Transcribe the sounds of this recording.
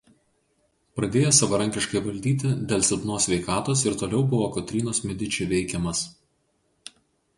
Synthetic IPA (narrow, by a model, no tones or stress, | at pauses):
pɾɐd̪ʲeːjosɐʋɐɾɐŋʲkʲɪʃkɐɪʋɐlʲd̪ʲiːt̪ʲɪd̪ʲeːlʲˠsʲɛd̪noːsʲʋʲɛɪkɑːt̪oːsɪɾt̪oːlʲɛʊbʊʋoːkɔt̪ʲɾʲiːnoːsmʲɛd̪ʲɪt͡ʃʲʊʋʲɛɪkʲɛmɐs